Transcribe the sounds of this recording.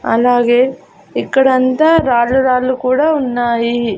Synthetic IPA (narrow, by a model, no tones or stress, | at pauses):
ɐ̰lːaːɡe | ikːɐɽɐnt̪ɐɾaːluɾaːlukuːɽɐunːaːji